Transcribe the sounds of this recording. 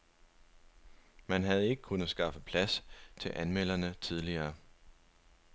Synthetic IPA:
mænɦæð̞ˠe̝ɡ̥əkʰunð̩ˠsɡ̥ɑ̈fəpʰlæst͡sʰe̝ʔænmel̰ɐnət͡sʰið̞ˠliɐː

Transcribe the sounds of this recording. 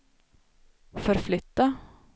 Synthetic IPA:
fɔɾflʏt̪ːa

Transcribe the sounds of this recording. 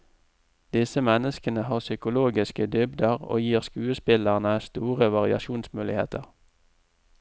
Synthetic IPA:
d̪̥ɪsəmɛnəskənəhɑːʁsʏkʊloːɡɪskəd̪ʏbd̪əʁo̰ːjiːʁskʉːəspɪləʁnəæːst̪uːʁəʋɑʁɪɑ̰ʃuːnsmʉːlɪhḛːt̪əʁ

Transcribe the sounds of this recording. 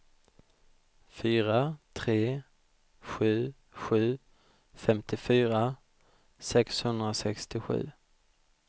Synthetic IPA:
fyːɾat̪ʰɾeː | ɧʉ̟ː | ɧʉ̟ː | fɛmt̪ɪfyːɾa | sɛkshɵnd̪ɾasɛkst̪ɪɧʉ̟̰ː

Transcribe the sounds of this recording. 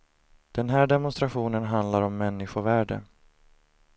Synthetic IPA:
d̪̥ɛnɦæːɖɛmʊnst̪ɾaɧuːnənɦand̪laɾɔmːɛnːɪɧʊvæːɖə̰

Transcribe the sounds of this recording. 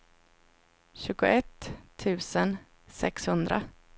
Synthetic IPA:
ɕʉ̟ːɡʊʔɛt̪ʰːʉ̟ːsən | sɛkshɵnd̪ɾa̰

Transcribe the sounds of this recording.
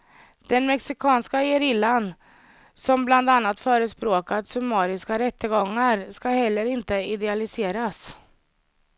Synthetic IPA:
d̪̥ɛnmɛksɪkʰɑːnskaɛɾɪlːan | sɔmbland̪anːat̪fœːɾəspɾoːkad̪sɵmɑːɾɪskaɾɛt̪ːəɡɔŋːaɾskahɛlːəɾɪnt̪əɪd̪ɛalɪseːɾas

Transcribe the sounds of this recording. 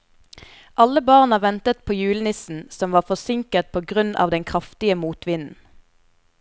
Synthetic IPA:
ʔɑləbɑːʁnəʋɛnt̪ət̪̚pʰoːjʉːlnɪsn̩sɔmʋɑːfɔsɪŋkət̪̚pʰoːɡʁʉnɑ̰ːʋd̪ɛŋkʰʁɑft̪ɪəmuːt̪ʰʋɪnn̩

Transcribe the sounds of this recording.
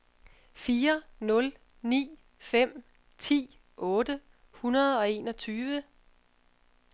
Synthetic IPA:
fiːɐnɔ̽l | nḭː | fem̰ | t͡sʰḭː | ʔɔ̽ːd̥ə | hunɐð̞ˠɒ̽e̝ːnɒ̽t͡sʰyːʋə

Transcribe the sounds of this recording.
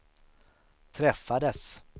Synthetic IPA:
t̪ʰɾɛfːad̪əs

